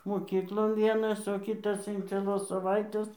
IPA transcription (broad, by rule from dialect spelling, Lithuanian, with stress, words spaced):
moːˈkʲiːklˠoːn ˈʋʲiɛnɐs oː ˈkʲiːtɐs ɪn t͡sʲiɛˈlˠoːs sɐˈʋɐɪtʲeːs